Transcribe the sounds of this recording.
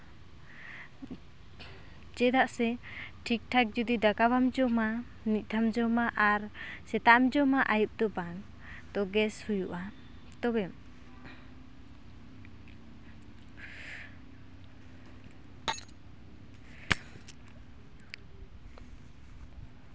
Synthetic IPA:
d͡ʒɛd̪aʔsɛʈʰik̚ʈʰak̚d͡ʒud̪id̪akabamd͡ʒɔma | nic̚ˀt̪ʰamd͡ʒɔmaʔaɾsɛt̪aʔamd͡ʒɔmaʔajup̚d̪ɔbaŋ | t̪ɔɡɛshujuʔa | t̪ɔbɛ

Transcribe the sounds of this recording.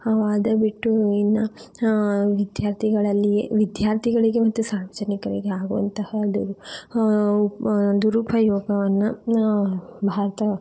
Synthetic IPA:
aːd̪ɐbiʈːuinːɐ | ʋid̪jaːɾt̪ʰiɡɐɭɐlːijḛʋid̪jaːɾt̪ʰiɡɐɭiɡe̞mɐt̪ːusaːɾʋɐd͡ʒɐnikɐɾiɡeaːɡuʋɐ̰nt̪ɐhɐd̪uɾu | d̪uɾupʰɐjɔːɡɐʋɐnːɐ | bʱaːɾɐt̪ɐ

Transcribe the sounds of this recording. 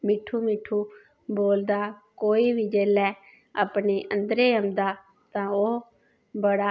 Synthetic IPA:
mɪʈʰːuːmɪʈʰuː | boːld̪aːkoːiːbiːd͡ʒeːlɛː | a̰pɳeːʔə̃nd̪ɾeːəmd̪aː | t̪ãːoː | bəɽaː

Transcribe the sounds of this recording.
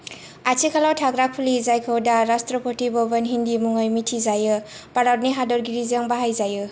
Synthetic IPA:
at͡ʃʰikʰalawtʰaɡɾak̚pʰulizajkʰawdaɾastɾɔpʰɔtibɔbɔnɦindimuŋajmitʰizajɯ | paɾawɾniɦadɔɾɡiɾizaŋbaɦajzajɯ

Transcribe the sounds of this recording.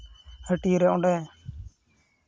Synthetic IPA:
həʈiɾɛɔ̃ɖɛ

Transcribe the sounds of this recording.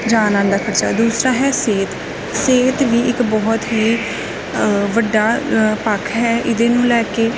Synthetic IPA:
d͡ʒaːnãːnd̪aːkʰəɾt͡ʃa̰ːd̪uːsɾaːɦɛːseːt̪ | seːt̪ʋiːɪkbɔːt̪ɦiː | ʋəɖːaːpəkʰɦɛːʔɪd̪ẽːnũːlɛːkeː

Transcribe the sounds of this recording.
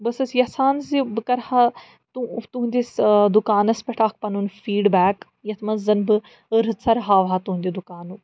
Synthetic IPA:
bɐsɐsjɐsaːnzibɨkɐɾha | t̪ut̪uɦũnd̪isd̪ukaːnɐspʲɐʈʰaːkʰpɐnunfiːɖbɛːk | jɐt̪ʰmɐnzɐnbɨ | ɾɨsɐɾɦaːʋɦat̪uɦund̪id̪ukaːnu

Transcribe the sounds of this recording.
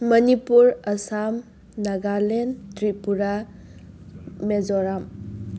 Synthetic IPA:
mɐnipuɾɐsam | naɡalentɾipuɾa | mezɔɾam

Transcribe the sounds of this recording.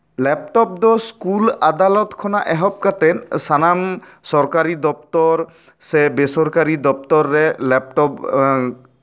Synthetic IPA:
lɛp̚ʈɔp̚d̪ɔskulad̪alɔt̪kʰɔnaʔɛɦɔp̚kat̪ɛnsanam | sɔɾkaɾid̪ɔp̚t̪ɔɾ | sɛbesɔɾkaɾid̪ɔp̚t̪ɔɾːɛlɛp̚ʈɔp

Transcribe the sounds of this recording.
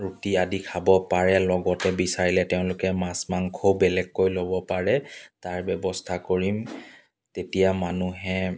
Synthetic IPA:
ɹutiadikʰabɔpaɹɛlɔɡɔtɛbisaɹilɛtɛʊ̃lʊkɛmasmaŋkʰowbɛlɛkːojlobɔpaɹɛtaɹbɛbɔstʰakoɹim | tetijamanuɦɛ

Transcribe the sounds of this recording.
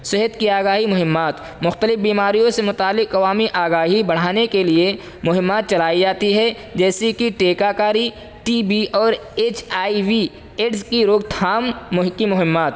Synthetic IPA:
sɪɦəd̪kiaːɡaːɦimʊɦɪmːaːt̪ | mʊxt̪əlɪfbiːmaːɾijõsemʊt̪aːlːɪkɐʋaːmiʔaːɡaːɦibɐɽ̤aːnekelie | mʊɦɪmːaːt̪̚t͡ʃɐlaːid͡ʒaːt̪iɦɛ | d͡ʒɛːsikiʈeːkakaːɾi | ʈiːbiʔɔːɾeːt͡ʃʰaːiwi | eːʈskiɾoːɡt̪ʰaːmkimʊɦɪmːaːt̪

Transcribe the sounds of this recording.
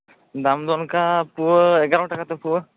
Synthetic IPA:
d̪amd̪ɔnkapuəɛɡaɾɔʈakat̪ɔpuə

